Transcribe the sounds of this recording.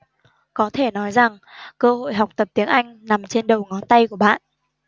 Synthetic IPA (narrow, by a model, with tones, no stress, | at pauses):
kɔ˨˦t̪ʰe˧˩nɔ˨˦jza˨˩ŋ | kəː˧ho̰˧˨jɦa˨˩wk͡p̚t̪ə˨˩p̚t̪i˨˦əŋʔa˧jŋ̟na˨˩mt͡ɕe˧nɗə˨˩wŋɔ˨˦nt̪a˧jku˧˩əɓa̰ː˧˨n